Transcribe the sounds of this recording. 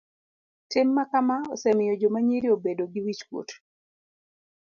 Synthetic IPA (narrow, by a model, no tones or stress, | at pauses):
tɪmːakamaɔ̰sɛmɪjɔd͡ʒomaɲiɾiobedoɡiwit͡ʃkwo̰t